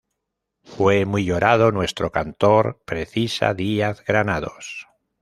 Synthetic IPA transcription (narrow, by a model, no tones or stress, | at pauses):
fwemwiʎoɾað̞o̞nwe̞st̪ɾokant̪oɾpɾeθisa̰ðiaθɣɾanaðo̰s